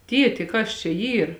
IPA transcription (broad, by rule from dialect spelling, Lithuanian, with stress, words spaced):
ˈtʲiɛtʲɪ ˈkɐs t͡ʃʲɛ ˈiːr